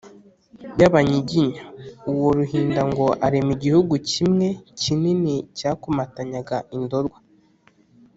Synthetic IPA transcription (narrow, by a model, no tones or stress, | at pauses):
bjaβaɲiɟiɲauwoɾuhiːndaŋɡo̞ʔaɾemiɟihuɡucimŋe̞cininicaːkumataɲaɡaʔindo̞ɾɡwa